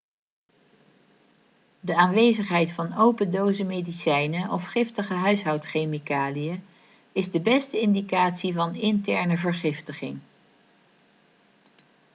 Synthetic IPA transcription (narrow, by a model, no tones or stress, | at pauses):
dəaːnʋejzəχɦɛjtfɑnowpəndowzəmejdisɛjnəʔɔfχɪftəχəɦœɥsɦɑwtχejmikaːlijə | ɪzdəbɛstəɪndikaːtsivɑnɪntɛɹnəvəɹχɪftəχɪŋ